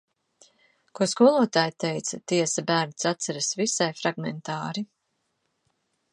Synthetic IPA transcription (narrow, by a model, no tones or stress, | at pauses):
kuɔskuɔlˠuɔt̪aːjt̪ɛjt̪sɐt̪iɛsabæːɾnsat̪sɛɾasvisajfɾaɡmɛnt̪aːɾi